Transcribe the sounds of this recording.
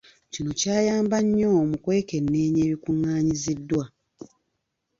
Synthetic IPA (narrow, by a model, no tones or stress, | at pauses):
cino̞caːjaːmbaɲːo̞mukwe̞ːke̞nːeːɲe̞ːβikuŋːaːɲizidːwa